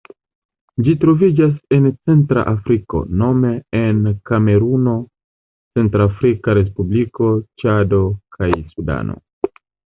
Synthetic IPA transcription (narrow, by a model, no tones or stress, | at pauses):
d͡ʒitɾo̞vid͡ʒase̞nt͡se̞ntɾa̰ʔafɾiko̞̰no̞me̞ːnkame̞ɾuno̞ | t͡se̞ntɾafɾikaɾe̞s̬publiko̞t͡ʃado̞kʰajsuda̰no̞̰